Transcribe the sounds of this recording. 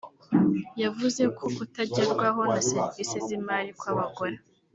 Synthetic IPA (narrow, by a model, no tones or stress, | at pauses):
javuze̞kʰo̞kutaɟeɾɡwaɦo̞naseɾivisezimaːlikwaβaɡoɾa